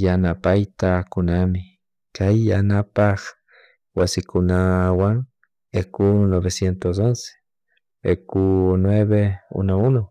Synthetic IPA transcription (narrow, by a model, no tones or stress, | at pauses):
janapajt̪akunami | kajanapah | wasikunawaŋ | ekunoβesjent̪os̬onse̥ | ekunweβeṵnouno